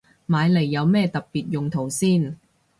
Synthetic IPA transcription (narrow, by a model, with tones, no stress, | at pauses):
maː˨˧jle˨˩jːɐ˨˧wmɛː˥˧t̪ɐ˨k̚piː˨˩t̚jʊ˨ŋt̪ʰo˨˩wsiː˥˩n